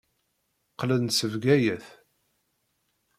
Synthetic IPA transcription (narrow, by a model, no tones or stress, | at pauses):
qːlənsəvɡæjəθ